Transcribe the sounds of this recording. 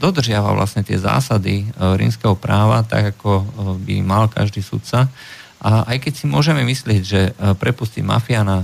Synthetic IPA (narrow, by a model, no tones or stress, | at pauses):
d̪ɔd̪r̩ʒɪaʋa̰ʋla̰sɲɛt̪ɪɛ̰za̰ːsad̪iɾḭːmskɛɦɔpɾaːʋat̪a̰ɡakɔbḭmalka̰ʒd̪iːsṵt̪sa | ʔaʔajkɛcsimʊɔʒɛmɛmislɪɛɟʒɛpɾɛpusciɟma̰fiaːna